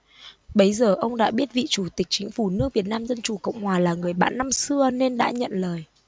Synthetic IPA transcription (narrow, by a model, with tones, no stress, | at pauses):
ɓə˨˦jzəː˨˩ʔə˧wŋ͡mɗa̰ː˧˥ɓi˦˥ət̚vḭ˧˨t͡ɕu˧˩t̪ï˨˩k̟̚t͡ɕï˨˦ŋ̟fu˧˩nɨ˦˥ək̚vi˨˩ət̚naː˧mzə˧nt͡ɕu˨˩kə̰˧˨wŋ͡mhwaː˨˩laː˨˩ŋɨ˨˩əjɓa̰ː˧˥nːa˧msɨ˧əne˧nɗa̰ː˧˥ɲə̰˧˨nləː˨˩j